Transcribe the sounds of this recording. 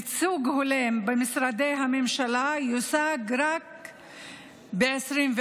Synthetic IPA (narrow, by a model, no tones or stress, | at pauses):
t͡suɡholembemisɾad̪ejɦamemʃalajosaɡɾak̚ | beesʁimve